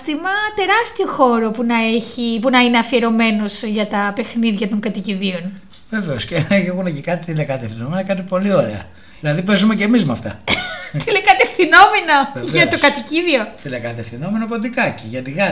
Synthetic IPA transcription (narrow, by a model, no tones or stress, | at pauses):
t̪imɐt̪e̞ɾɐst̪io̞xo̞ɾo̞punɐe̞çipunɐineɐfie̞ɾo̞me̞no̞sʝɐt̪ɐpe̞xniðʝɐt̪o̞ŋɡɐt̪iciðio̞n | ve̞veosceneeɣunecikɐt̪it̪ilekɐt̪efθino̞menɐkɐt̪̬ipo̞lio̞ɾe̞ɐ̰ | ðilɐðip̬e̞zumece̞mizmɐft̪ɐ̰t̪ilekɐt̪efθino̞meno̞ʝɐt̪okɐt̪iciðio̞t̪ilekɐt̪efθino̞menopot̪ikɐciʝɐt̪iɣɐ